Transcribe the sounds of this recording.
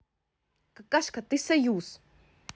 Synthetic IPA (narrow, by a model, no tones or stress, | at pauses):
kakaʃkat̪isejus